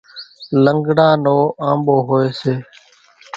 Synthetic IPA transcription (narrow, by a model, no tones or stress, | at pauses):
ləŋɡɽãːnoːʔãːmɓoːɦoːeːseː